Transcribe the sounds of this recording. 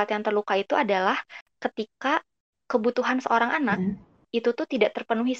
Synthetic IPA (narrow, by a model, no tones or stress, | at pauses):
at̪jaŋt̪ərlukait̪uʔadalahkət̪ika | kəbut̪uɦansəʔoɾaŋʔanak̚ | it̪ut̪ʊht̪idaʔt̪ərpənuɦi